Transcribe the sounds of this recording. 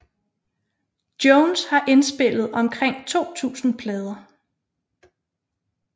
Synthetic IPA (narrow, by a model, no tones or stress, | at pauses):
d̥jɔnshɑ̈ʔe̝nsb̥e̝l̰ð̞̩ˠɒ̽mkʰʁeŋ̰t͡sʰo̝̰ːt͡sʰṵːsn̩pʰlɛːð̞ˠɐ